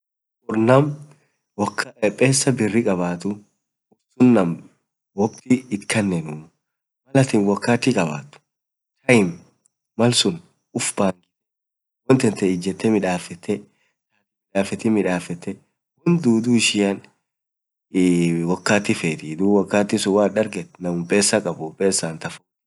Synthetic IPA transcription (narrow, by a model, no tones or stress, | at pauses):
ʔʊɾnɐm | wɔkʰːɐɛpʼːeːsːɐbɪrːɪkʼɐbaːt̪ʊ | ʊbsʊnːɐm | wɔbt̪ɪːt̪kːɐnːɛnʊː | mɐlɐt̪ɪnwɔkːaːt̪ːɪkʼɐba̰ːt̪ːʊ̥ | t̪ʰɐɪm | mɐlsʊn | ʊfbaːŋkɪ | wɔnt̪ɛnt̪ɛɪd͡ʒːɛt̪ːɛmɪᶑaːfɛt̪ʰːɛ | taːt̪ɪmɪᶑaːfɛt̪ɪmɪᶑaːfɛt̪ːɛ | wɔnd̪uːd̪uɪʃɪjan | wɐkːaːt̪ːɪfeːt̪ɪd̪uːwɐkːaːt̪ːɪsʊwaːᶑɐɾɡɛt̪nɐmʊmpʼeːsːɐkʼɐbʊpʼeːsːaːnt̪ɐfʊ